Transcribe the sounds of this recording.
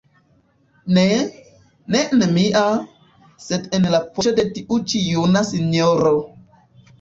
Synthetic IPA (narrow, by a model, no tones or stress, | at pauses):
ne | nenmiʔa | sedenlapoodetiʔut͡ʃijunasinoɾo